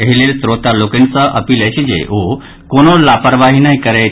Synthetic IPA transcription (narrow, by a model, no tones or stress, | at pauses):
əɦilelsɾot̪alokəɳt͡saʔə̰piːlajt͡ɕid͡ʑḛo | koñolapəɾʋaɦinaɦikəɾaj